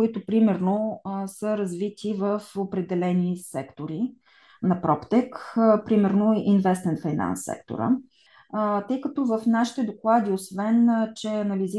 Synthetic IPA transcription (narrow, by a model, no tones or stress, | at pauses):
ʊit̪ʊpɾimɛɾnosəɾɐzvit̪ʰivəfopɾɛd̪ɛlɛnisɛkt̪oɾi | nɐpɾɔpt̪ɛkpɾimɛɾnoʔinvɛst̪mɛnt̪fajna̰nsːɛ̰kt̪o̰ɾə̰ | t̪ɤjkət̪ɔvəfnaʃi̥t̪ɛd̪oklˠad̪iosvɛnt͡ʃɛɐnɐlizi